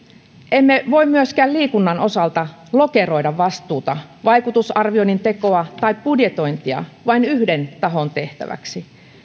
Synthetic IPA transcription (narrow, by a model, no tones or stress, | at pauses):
ʔemːeʋo̞immyøskæːlliːkunːɑno̞sɑlt̪ɑ | lo̞ke̞ro̞idɑʋːɑst̪uːt̪ɑʋɑjkut̪usɑrʋionint̪e̞ko̞ɑt̪ɑipb̥udjet̪o̞jnt̪iɑ̰ʋɑinyhde̞nt̪ɑɦo̞nt̪e̞ht̪æ̰ʋæ̰ksi